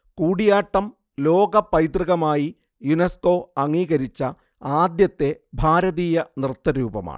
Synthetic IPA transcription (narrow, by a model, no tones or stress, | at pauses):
kuːɽijaːʈːɐm | lo̞ːɡɐpːɐjt̪riɣɐmaːji | junesko̞ːɐŋːiːɣɐɾit͡ɕːɐ | aːd̪jɐt̪ːe̞bʱaːɾɐðiːjɐnrɨt̪ːɐɾuːbɐ̰ma̰ːɳɨ